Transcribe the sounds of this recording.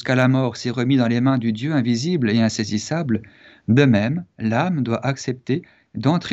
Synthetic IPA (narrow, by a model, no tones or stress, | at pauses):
kalamɔʁsɛʁəmid̪ɑ̃lemɛ̃d̪yd̪jøɛ̃vizibleɛ̃sezisabl | d̪əmɛmlamd̪waʔaksɛp̚t̪e | d̪ɑ̃t̪χe